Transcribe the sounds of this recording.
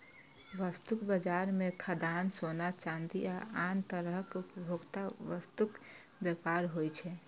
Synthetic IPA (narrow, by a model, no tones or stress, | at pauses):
ʋəst̪ukbəd͡ʒaɾmekʰəd̪ansonat͡ʃãnd̪iaant̪əɾəɦəkupəbʱoɡt̪aʋəst̪uk | bjɛpaɾɦojt͡ʃʰɛ